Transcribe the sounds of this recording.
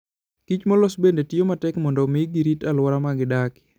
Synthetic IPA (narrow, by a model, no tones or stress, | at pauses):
kit͡ʃmɔlosbendetijomatɛkmɔndɔmiɡiɾitalwaɾamaɡɪdakɪ̥